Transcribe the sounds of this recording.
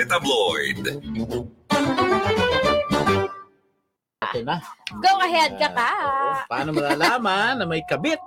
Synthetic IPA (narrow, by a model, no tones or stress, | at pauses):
ɪt̪ɐblɔjd̪ | aɛnɐɡowɐɦɛd̪̚kɐkapaʔaːnomɐlaːlaːmɐnːɐmɐjkɐbɪt̪̚